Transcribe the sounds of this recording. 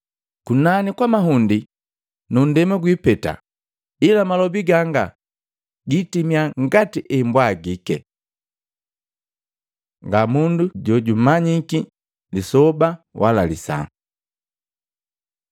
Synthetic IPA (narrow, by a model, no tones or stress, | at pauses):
kunanikwamaɦundi | nun̩dɛmaɡwipɛta̰ | ilamalɔbiɡaŋɡa | ɡitimiaŋɡatiʔɛmbwaɡikɛ̰ | ŋɡamunduɟɔɟumaɲiki | lisɔbawʔa̰la̰lisa̰